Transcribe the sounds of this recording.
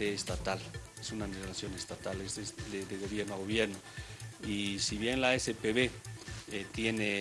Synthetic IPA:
eːst̪at̪al | esunanezlasjonest̪at̪aleseded̪eɣoβjeɾnoaɣoβjeɾnoisiβjenlaesepeβeet̪jene

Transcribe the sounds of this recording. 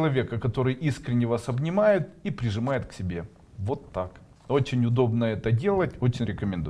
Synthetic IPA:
lˠɐvʲe̞kəkɐt̪o̞ɾɨjʔiskɾʲɪnʲːɪvasɐbnʲɪmajɪt̪̚ipɾʲɪʐɨmajɪt̪ksʲɪbʲe̞ | vo̞t̪ːak | ot͡ɕɪnʲʊd̪o̞bnəɛt̪ədʲe̞lˠətʲo̞t͡ɕɪnʲɾʲɪkəmʲɪnd̪u

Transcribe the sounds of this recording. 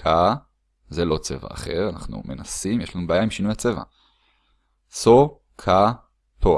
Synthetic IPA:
ka | zelo̞t͡se̞̰va̰ːχe̞ʁanaχnṵme̞nasimjeʃlanubaːjaimʃinujat͡se̞va̰ | so | kʰa | tʰo

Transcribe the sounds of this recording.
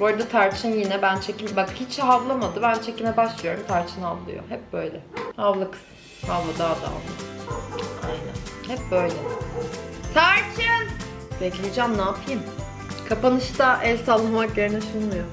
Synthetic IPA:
boɾd̪at̪ʰaɾt͡ʃʰɯnjinɛbænt͡ʃʰecinbakhit͡ʃhɦavlˠamad̪ɯbænt͡ʃʰecinɛbaʃlˠɯjo̞ɾumt̪ʰaɾt͡ʃʰɯnavlˠɯ̰jo̰ɦɛp̚bø̞jlʲɛhavlˠɯk | havlˠɯd̪aːd̪a̰a̰lˠɯ | a̰jnæ̰nhɛp̚bø̞jlʲɛ | t̪ʰaɾt͡ʃʰɯn | beclʲijd͡ʒæmnaːpʰɯjim | kʰapanɯʃt̪aʔɛlʲsalˠːamakjeɾinɛʃunmɯjo

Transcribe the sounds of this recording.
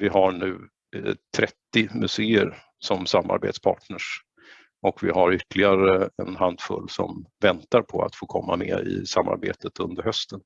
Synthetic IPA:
vɪɦaɳʉ̟ː | t̪ʰɾɛt̪ːɪmɵseːəɾ | sɔmsamːa̰ɾbḛːt̪spʰɑ̰ːʈɳəʂ | ʔɔkvɪɦaɾʏt̪lɪɡaɾəɛnɦand̪fɵ̰lːsɔ̰mvɛnt̪aɾpʰɔa̰t̪foːkʰɔmːamḛːɪ̰samːa̰ɾbḛːt̪ət̪ɵnd̪əɾhœst̪ən

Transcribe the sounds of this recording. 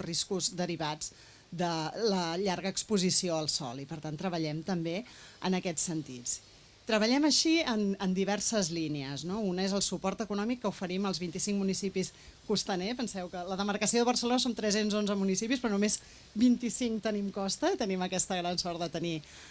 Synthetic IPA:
riskuzd̪əɾiβad͡z | d̪ələʎaɾɣəːkspuzisioəlˠsɔ̰lipəɾt̪ant̪ɾəβəʎɛmt̪əmbeə̰nəkɛt͡sːənt̪it͡s | t̪ɾəβəʎɛməʃiənənd̪iβɛrsəzlineəznounəezəlˠsupɔɾt̪əkunɔmikːəufəɾiməlˠzβint̪isiŋkmunisipiskust̪ənepənsɛwkələðəməɾkəsioðəβərsəlonəsont̪ɾɛsenzonzəmunisipispɾɔnumez | bint̪isiŋkt̪ənimkɔst̪əit̪əniməkɛst̪əɣɾansɔɾt̪d̪ət̪əni

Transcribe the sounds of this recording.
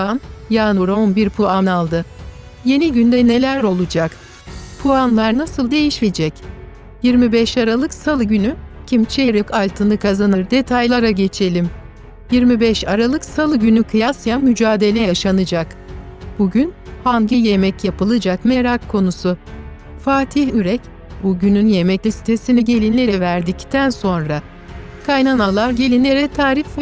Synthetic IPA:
anjaːnuɾo̞nbiɾpʰuanalˠd̪ɯ | je̞niɟynd̪ɛne̞lʲæɾo̞lˠud͡ʒak | pʰuanlˠaɾnasɯlˠd̪e̞jiʃmid͡ʒɛc | jiɾmibɛʃaɾalˠɯksalˠɯɟynycʰimt͡ʃʰeɾikʰalʲt̪ʰɯnɯkʰazanɯɾd̪e̞t̪ʰajlˠaɾaɟe̞t͡ʃʰe̞lʲim | jiɾmibɛʃaɾalˠɯksalˠɯɟynykʰɯjasjamyd͡ʒaːd̪e̞lʲejaʃanɯd͡ʒak | b̥uɟynhanɟije̞mɛcjapɯlˠɯd͡ʒakme̞ɾakʰːo̞nusu | faːt̪ʰihyɾɛc | buɟynynje̞mɛclʲisi̥t̪ʰe̞siniɟe̞lʲineɾɛvæɾd̪ict̪ʰænso̞nɾa | kʰajnanalˠaɾɟe̞lʲineɾɛt̪ʰaːɾif

